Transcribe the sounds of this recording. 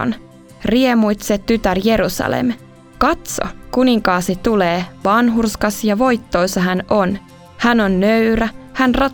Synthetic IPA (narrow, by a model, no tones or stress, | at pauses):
n | riemujt̪set̪ːyt̪ærje̞ɾusɑ̰lḛm | kɑt̪so̰kuniŋkɑːsit̪t̪ːuleːʋɑnɦurskɑsjɑʋo̞jt̪ːo̞jsɑɦæno̞n | hæno̞nːøyɾæhænrɑ